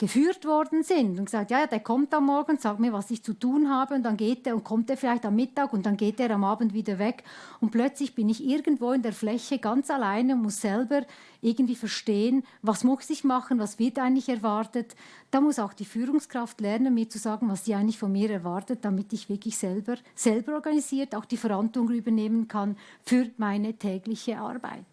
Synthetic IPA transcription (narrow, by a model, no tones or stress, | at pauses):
ɡ̥əfyːɾtv̥ɔɾdn̩zɪntʊnɡ̥ə̥zaːk̚tjaːjaːd̥eːkʰɔmtamːɔɹɡəŋ̩ʊntsaːk̚tmiːɐvasɪçt͡sutuːnɦaːbəʊntd̥anɡeːt̚deːʊnt̚kʰɔmtd̥eːfɪlaɪçtamːɪtaːɡʊnt̚d̥anɡeːt̚eːɾamaːbn̩tviːdəvɛkʊnt̚plœt͡slɪçb̥ɪnɪçɪɾɡən̩tvoːɪndeːɐflɛçəɡant͡salaɪnəʊntmʊsz̥ɛlbəɾ | ʔɪɐɡən̩tdv̥iːfɛɐʃteːənvasmʊsɪçmɑχənvasv̥ɪtaɪntlɪçɛɐvaɾtət | d̥aːmʊsaʊxd̥iːfyːʁʊŋskʁ̥aftlɛʁnənmiːt͡suzaːɡn̩vasd̥iːaɪntɪçfɔnmiːɾɛɐvaɾtət̚d̥amɪtɪçv̥ɪɐklɪçsɛlbəz̥ɛlbəɾɔɾɡaniziːtaʊxd̥iːfɛɾantlʊŋənyːbəneːmənkʰanfyːɾmaɪnətʰɛːɡlɪçəʔa̰ɾba̰ɪt